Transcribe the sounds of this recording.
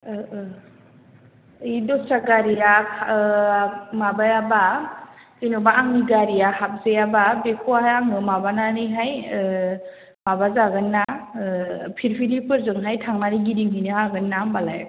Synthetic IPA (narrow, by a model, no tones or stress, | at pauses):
jdɔsaɡaɾijakʰ | mabajaba | kɯjnɯbaːŋniɡaɾijahap̚zejababekʰuwaajaŋɯmabananiɦaj | mabazaɡɯnːa | pʰiɾpʰilipʰɯɾzɯŋɦajtʰaŋnaɾiɡidiŋɦinɯhaɡɯnːamalaj